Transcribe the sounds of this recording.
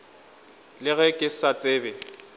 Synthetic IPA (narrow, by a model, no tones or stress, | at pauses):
lɪɣɛkʼɪsat͡sʼeːbɛ